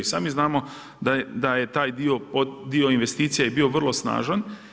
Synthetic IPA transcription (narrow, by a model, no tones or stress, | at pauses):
isa̰ːmiznaːmo | d̪ad̪ajet̪aːjd̪io̞pod̪ioinʋe̞st̪iːt̪sijajebiːo̞ʋr̩lˠo̞sna̰ːʒan